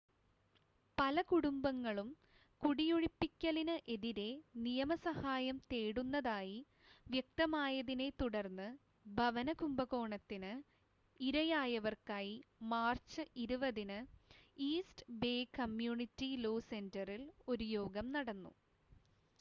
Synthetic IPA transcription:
pɐlɐkuɽumbɐŋːɐɭum | kuɽijuɻipːikʲːɐlinɨʔe̞ðiɾe̞nijɐmɐsɐhaːjɐmt̪eːɽunːɐðaːji | ʋjɐk̚t̪ɐmaːjɐðine̞t̪uɽɐrnːɨ | bʱɐʋɐnɐkumbɐɣo̞ːɳɐt̪ːinɨ | iɾɐjaːjɐʋɐrkaːjimaːrt͡ɕɨʔiɾuʋɐðinɨiːsʈɨbeːkɐmjuːɳitːiloːse̞ndɐrilo̞ɾujo̞ːɡɐmnɐɽɐnːṵ

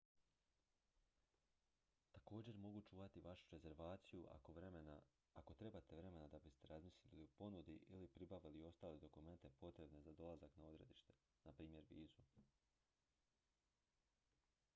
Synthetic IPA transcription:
t̪ako̞ːd͡ʑe̞ɾmo̞ɡut͡ʃuːʋat̪iʋaʃu̥ɾe̞ze̞ɾʋaːt̪sijṵ | ako̞t̪ɾe̞bat̪e̞ʋɾe̞me̞nad̪abist̪e̞ɾazmislililiupo̞nud̪iʔilipɾibaʋilio̞st̪aːled̪o̞kume̞nt̪e̞po̞t̪ɾe̞bne̞zad̪o̞lazaknao̞d̪ɾe̞̰d̪iʃt̪e̞̥ | napɾiːmje̞ɾʋḭːzu

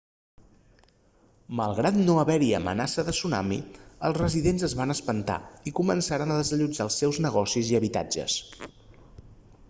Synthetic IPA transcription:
məlˠɣɾat̪noəβɛɾiə̰mə̰nasəðəsuna̰mḭəlˠzrəziðenzəzβanəspənt̪a̰ikumənsaɾənəðəzəʎud͡ʒalˠsːɛwznəɣɔsiziəβit̪a̰d͡ʒə̰s

